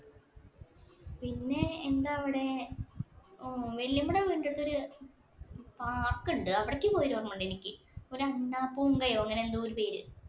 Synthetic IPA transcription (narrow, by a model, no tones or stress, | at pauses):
pinːe̞ːnd̪aːʋiɽe̞ | ʋeljɐmːuɽeʋiːɳɖeɽɨt̪ːo̞ɾu | paːkːuɳɖɨɐʋiɽekʲːɨpoːjiɾuʋɐrɐmuɳɖe̞nikʲːɨo̞ɾuɐnːaːpːuuŋɡɐjoːeŋːɐnend̪uːɾupeːɾɨ